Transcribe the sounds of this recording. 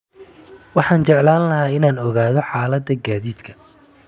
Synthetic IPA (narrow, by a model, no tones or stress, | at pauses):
wɑħɑːnt͡ʃɛʕlaːnlɐɦaːɪnaːnɔɣaːðɔħaːlɐd̪ɐɡaːðiːd̪kʰɐ̥